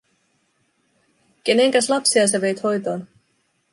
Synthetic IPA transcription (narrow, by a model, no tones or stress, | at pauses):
k̟e̞neŋk̟æslɑpsiɑseʋe̞jt̪ho̞jt̪o̞ːn